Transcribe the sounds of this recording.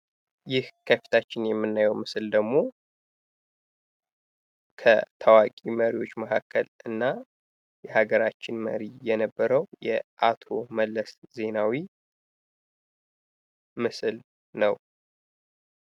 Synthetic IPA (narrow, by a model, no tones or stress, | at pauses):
jɪhkʰəfi̥t̪ʰat͡ʃːɪnjɛmːɨnːajɛwmɨsɨld̪əɡmo̞ | kʰə̰t̪ʰawakʼiməɾiwo̞t͡ʃːməkʰakːəlɨnːa | jɛhaɡəɾat͡ʃːɪnmə̰ɾijɛnəbːəɾəwjɛ̰ʔat̪ʰo̞məlːəsze̞nawi | mɨsɨl | nəw